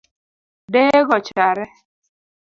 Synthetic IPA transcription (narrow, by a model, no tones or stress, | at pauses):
deɡɔt͡ʃaɾɪ